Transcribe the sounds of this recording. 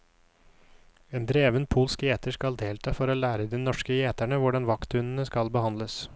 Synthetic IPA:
eːnd̪ɾeːʋənpʰuːlskeːt̪əʂkɑld̪eːlt̪ʰɑːfɔɾoːlæːɾəd̪inɔʂkəeːt̪æɳəʋʊɖɑnʋɑkt̪ʉnən̩əskɑlbəhɑnd̪ləs

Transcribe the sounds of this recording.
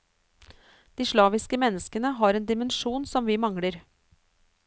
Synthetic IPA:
d̪̥iːʂɭɑːʋɪskəmɛnːəskənəɦɑːɾeːnd̪ɪmənʃuːnsɔmʋiːmɑŋɽəɾ

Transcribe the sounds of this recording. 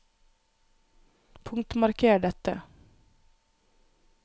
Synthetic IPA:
pʰɵŋkt̪maɾkʰeːɖɛt̪ːə

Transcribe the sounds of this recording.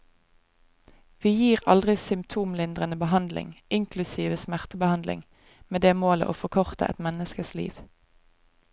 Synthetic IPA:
ʋiːjiːʁɑld̪ʁɪsʏmpt̪ʰuːmlɪnd̪ʁənəbəhɑnd̪lɪ̰ŋɪŋkʰlʉsiːʋəsmæʁt̪əbəhɑnd̪lɪ̰ŋ | meːd̪eːmoːlə̰ʔo̰ːfɔkʰɔʁt̪ə̰ʔɛ̰t̪mɛnəskəslḭːʋ

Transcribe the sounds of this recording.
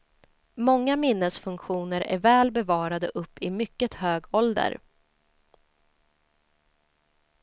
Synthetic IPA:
mɔŋːamɪnːəsfɵŋkɧuːnəɾʔæ̰ɾvɛːlbɛvɑːɾad̪əʔɵpːɪmʏkːət̪høːɡɔld̪ə̰ɾ

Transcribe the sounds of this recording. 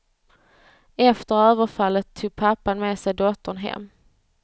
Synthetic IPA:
ɛft̪əɾøːvəɾfalːət̪ʰːuːɡ̚pʰapːanmeːsɛjd̪ɔt̪ːəɳɦɛ̰mː

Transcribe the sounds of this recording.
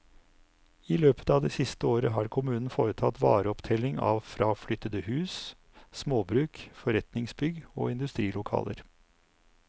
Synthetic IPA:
iːløːpə̥t̪ɑːʋd̪ɛːsɪst̪əoːɾəɦɑːɾkʰʊmʉːnn̩foːɾət̪ʰɑt̪ʋɑ̰ːɾəɔpt̪ʰɛlɪŋɑ̰ːʋfɾɑːflʏt̪ːəd̪əhʉːs | smoːbɾʉːkfɔɾɛt̪nɪŋsbʏɡo̰ːɪnd̪ʉst̪ɾiːlʊkʰɑ̰ːlə̰ɾ

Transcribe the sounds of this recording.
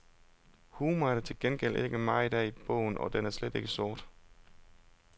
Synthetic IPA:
huːmɐɾ̥et͡sʰe̝lɡ̥enɡ̥el̰ʔeɡ̥əmɑ̈ɪid̥ɛ̰ːib̥ɔ̰̽ʊ̰n̩ɒ̽d̥enæɐsled̥e̝ɡ̥əsɔɐ̰d̥

